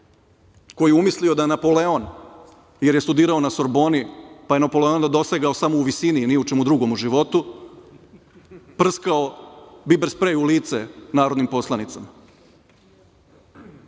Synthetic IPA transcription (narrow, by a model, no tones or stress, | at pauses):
ko̞jijeumislio̞d̪ajenapo̞leo̞n | je̞ɾjest̪ud̪iːɾaonaso̞ɾbo̞nipaje̞napo̞le̞o̞nd̪ad̪o̞seɡao̞samouʋisininijeut͡ʃe̞mud̪ɾuɡo̞muʒiʋo̞t̪u | pr̩skao̞bibeɾspɾeuliːt̪senaːɾo̞d̪nimpo̞slˠanit̪sama